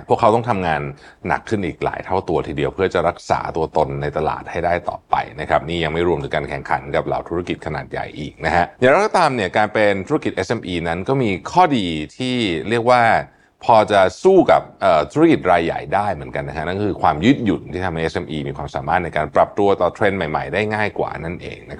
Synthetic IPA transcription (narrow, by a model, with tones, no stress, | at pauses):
pʰu˥˩əkʰːa˦˥wt̪ɔ˥˩t̪ʰa˧mŋaː˧nːa̰˨˩kʰːɯ˥˩nʔiː˨˩k̚la̰ː˩˦jt̪ʰa˥˩wt̪u˧ɐt̪ʰiː˧di˧əwpʰɯ˥˩ɐt͡ɕa˨˩ɾa˦˥k̚sa̰ː˩˦t̪u˧ɐt̪o˧nːa˧jt̪a˧la̰ː˨˩t̪̚ha˥˩jdaː˥˩jt̪ɔ̰ː˨˩pa̰˧jna˦kʰɾa˦˥p̚niː˥˩ja˧ŋma˥˩jɾu˧mt̪ʰɯː˩˦kaː˧nkʰɛ˨˩ŋkʰa̰˩˦nka˨˩p̚la̰˨˩wt̪ʰu˦˥ɾa˥ki˨˩t̪̚kʰa˧naː˨˩t̪̚ja̰˨˩jʔiː˨˩k̚na˦˥kʰa˦˥ʔjja˨˩ŋɾa˧˦˥kɔ˥t̪aː˧mni˥˩ɐkaː˧npe˧nt̪ʰu˦˥ɾa˥ki˨˩ʔe˦˥sʔe˧mʔiː˧na˦˥nkɔː˥˩miː˧kʰɔː˥˩diː˧t̪ʰiː˥˩ɾi˥˩ək̚waː˥˩ | pʰɔː˧t͡ɕa˨˩suː˥˩ka̰˨˩p̚ʔəː˨˩t̪ʰu˦˥ɾa˦˥ki˨˩t̪̚ɾaː˧jːa̰˨˩jdaː˥˩jmɯ˩˦ənka˧nːa˦˥kʰa˦˥na˥˩nkkʰɯː˧kʰwaː˧mju˦˥˩t̪̚ju˨˩nt̪ʰiː˥˩t̪ʰmɦa˥˩jʔe˦˥sʔe˧mʔiː˧miː˧kʰwaː˧msa̰ː˩˦maː˥˩na˧jkaː˧npɾa˨˩p̚t̪u˧ɐt̪ɔː˨˩t̪ʰɾe˧nma˨˩jma̰˨˩jdaː˥˩jŋaː˥˩jkwa̰ː˨˩na˥˩nʔḛː˧ŋna˦kʰ